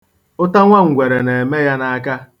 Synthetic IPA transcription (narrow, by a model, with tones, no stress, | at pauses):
ʊ˦ta˦ŋʷa˦ŋ̩˨ɡʷe˨ɾe˨ne˨e˨me˦ja˦na˨˦ka˦